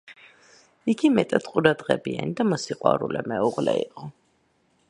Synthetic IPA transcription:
iɡimɛt̪ʼat̪qʼuɾad̪ʁɛbianid̪amɔsiqʼwa̰ɾulɛmɛuʁlɛiqʼɔ

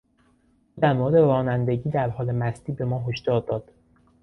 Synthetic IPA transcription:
ʔuːd̪æɾmoɾed̪eɾɒːnænd̪e̞ɟiːd̪æɾhɒːle̞mæst̪iːbe̞mɒːɦoʃd̪ɒːɾd̪ɒːd̪̥

